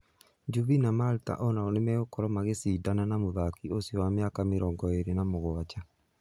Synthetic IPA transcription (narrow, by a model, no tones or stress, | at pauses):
d͡ʒuβinamalta̰ʔɔnaonemɛokɔɾɔmaɣesiːdananamoðakiosjɔwameakameɾɔːŋɡɔeɾenamoɣwat͡ʃa